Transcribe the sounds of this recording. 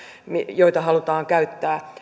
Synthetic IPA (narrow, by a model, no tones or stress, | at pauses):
mijoit̪ɑɦɑlut̪ɑːŋkæyt̪ːæː